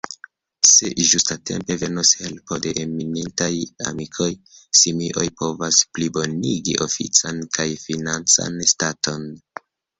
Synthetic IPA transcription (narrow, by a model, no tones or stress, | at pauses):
se̞̰ʒustate̞̰mpe̞ve̞nushe̞lpo̞de̞ʔeminintaja̰mikʰo̞j | simiʔo̞jpo̞vasplibo̞niɡiʔo̞fḭt͡sankajfinant͡sa̰nstatʰo̞n